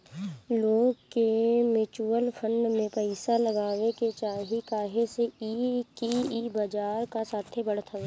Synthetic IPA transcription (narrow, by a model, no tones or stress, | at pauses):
loːɡkemɪt͡ʃuːəlpʰə̃ɳɖmẽpəɪsalɐɡaːʋeket͡ʃaːɦikaːɦeseikiiːbad͡ʒaːɾkasaːt̪ʰebɐɽ̤t̪ʰae